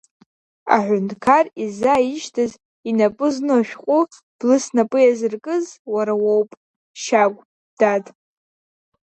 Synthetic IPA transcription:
a̰ħʷʊntʰʼkʰarizaiʃtʰaz | inapʼɨznoʃᶣqʷʼu | b̥lɨsnapʼɨjazɨrkʼɨzwaɾawowpʼ | ʃaɡʷʼ | d̥atʼ

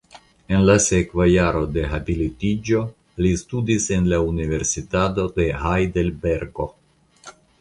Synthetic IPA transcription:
e̞nlasekvajaɾo̞d̪e̞ɦabilit̪id͡ʒo̞ | listud̪ise̞nlaunive̞ɾsit̪at̬o̞d̪e̞ɦajd̪elbeɾɡo

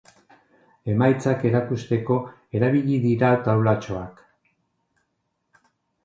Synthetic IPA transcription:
e̞majt͡sake̞ɾakust̪e̞ko̞ | e̞ɾaβiʎiðiɾat̪awlat͡ʃo̞ak

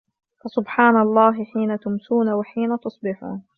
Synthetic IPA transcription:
fɑsʊbħaːnɑlˤːɑːɦɪħiːnat̪ʊmsuːnawɪħiːnat̪ʊsˤbɪħṵːn

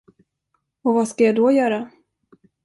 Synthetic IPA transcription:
ɔvaskajad̪ɔjœːɾa

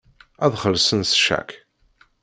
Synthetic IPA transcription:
æðχəlsənsʃæ̰k

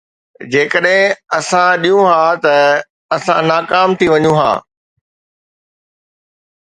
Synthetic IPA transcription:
d͡ʑeːkəɗɦɪ̃ɐsãɗijũɦaːt̪ɐ | ɐsãnaːkaːmt̪ʰiʋɐɲũɦa̰ː

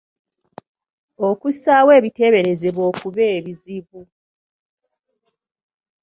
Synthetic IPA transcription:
o̞kusawe̞ːβite̞βe̞ɾe̞ze̞βo̞ːkuβe̞ːβiziβu

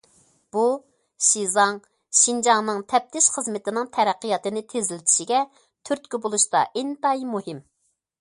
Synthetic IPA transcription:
b̥u | ʃizɑŋ | ʃind͡ʒɑŋnɨŋt̪ʰɛp̚t̪ʰɪʃχəzmɪt̪ɪnɪŋt̪ʰɛɾæqːijɑt̪ɨnɪt̪ʰezɪlɪt̪ʰi̥ʃiɡʲɛ | t̪ʰyɾt̪̚kʲibolˠuʃt̪ɑ̰ʔɪnt̪ɑjmuhɪm

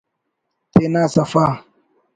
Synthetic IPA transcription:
tenasafa

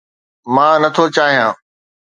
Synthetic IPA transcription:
mãːnɐt̪ʰot͡ɕaːɦijãː

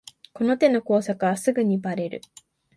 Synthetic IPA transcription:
ko̞no̞t̪e̞no̞ko̞ːsakɯ̟βasɨɡɯ̟ɲ̟ibaɾe̞ɾɯ̟̰

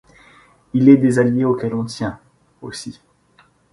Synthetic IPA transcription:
ilɛd̪ezaljeokɛlɔ̃t̪jɛ̃ | o̰si

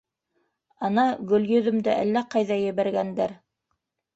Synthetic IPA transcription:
ɑnɑɡɵ̆ljɵ̆ðɵ̆md̪ɘʔæ̰lːæqɑjðɑjɘ̆βæɾɡænd̪æɾ

